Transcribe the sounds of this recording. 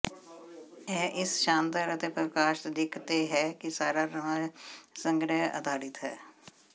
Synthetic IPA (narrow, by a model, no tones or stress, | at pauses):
ɛːʔɪsʃãːnd̪əɾət̪epɾəkaːʃt̪d̪ɪkʰt̪eɦɛːkisaːɾaɾə | sə̃ŋɡɾəɦə̰d̪ʱaːɽɪt̪ɦɛ̰ː